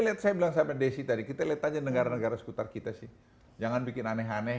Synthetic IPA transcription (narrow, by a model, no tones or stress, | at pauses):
liat̪̚sajabilaŋsapadesit̪adikit̪aliat̪ad͡ʒanəɡaɾanəɡaɾasə̥kut̪arkit̪asɪh | d͡ʒaŋanbikɪnanɛɦanɛ